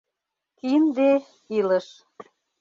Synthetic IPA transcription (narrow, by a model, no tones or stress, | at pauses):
kind̪e | iləʃ